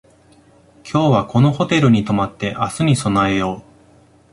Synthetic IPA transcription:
kʲʰo̞ːβako̞no̞ho̞t̪e̞ɾɯ̟ɲ̟it̪o̞mat̪ːe̞ʔasɨɲ̟iso̞nae̞jo̞ː

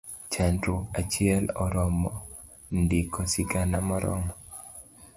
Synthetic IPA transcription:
t͡ʃɛntɾoat͡ʃɪɛlɔɾɔmɔ | ndikʰɔsiɡanamɔɾɔ̰mɔ

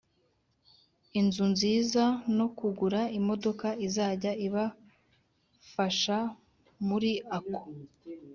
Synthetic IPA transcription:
inzunziːzano̞kuɡuɾaimo̞do̞kaizaːɟaiβa | faʃa | muɾiako̥

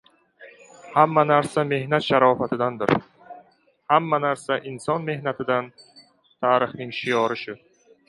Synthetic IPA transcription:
hamːanaɾsame̞hnat̪ʃaɾɒfat̪ʰɪd̪and̪ɪɾ | hamːanaɾsaʔɪnsɒnme̞hnat̪ʰɪd̪an | t̪ʰaːɾɪhnɪŋʃɪjɒɾɪʃʊ

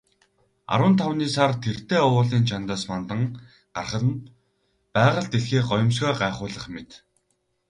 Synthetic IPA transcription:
a̰ɾwə̆nt̪ʰawniːsart̪ʰer̥t̪eːɔwʊːɮiːnt͡ɕʰant̪aːsmant̪ə̆ŋ | ɢ̥arχə̆n | pæːʁə̆ɮt̪eɮxeːɢɔjɞ̆ms̬ɡɔːɢaːχʊːɮə̆χmet̪

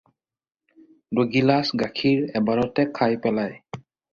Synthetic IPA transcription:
doɡilasɡakʰiɹɛbaɹɔtɛkʰajpɛlaj

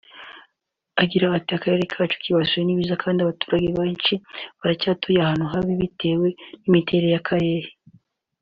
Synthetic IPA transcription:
aɡiɾaːtiakaɾe̞ɾekʰaːt͡ʃo̥kiβasujeniβiːzakʰaːndiaβatu̥ːɾaɟeβat͡ʃiβaɾacaːtojahaːnuɦaβiβite̞ːwe̞nimitʰe̞ɾe̞jakʰaɾe̞ːɾe

